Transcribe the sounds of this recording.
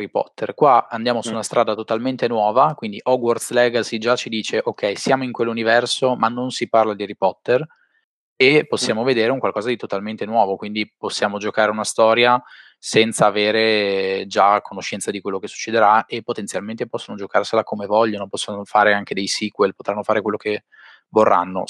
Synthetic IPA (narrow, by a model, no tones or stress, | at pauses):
ɾipɔ̰t̪ːerkwaand̪jaːmosuːnast̪ɾʔaːd̪at̪ot̪alment̪enwɔːvakwind̪iʔɔɡwɔrslɛɡasid͡ʒat͡ʃid̪iːt͡ʃeʔokʰːɛjsjaːmoiŋkwelːunivɛrsomanːonsiparlad̪iaɾipɔt̪ːer | epːosːjaːmoved̪eːɾeuŋkwalkɔːzad̪it̪ot̪alment̪enwɔːvokwind̪iposːjaːmod͡ʒokaːɾeunast̪ɔːɾja | sɛnt̪saːveːɾed͡ʒakʰːonoʃːɛnt̪sad̪ikwelːokesːu̥t͡ʃːed̪eɾaepːot̪ent̪sjalment̪epɔsːonod͡ʒokarselakʰomevɔʎːonopɔsːonofaːɾeaŋked̪ejsiːkwelpot̪ɾanːofaːɾekwelːoke | vorːʔa̰nːo̰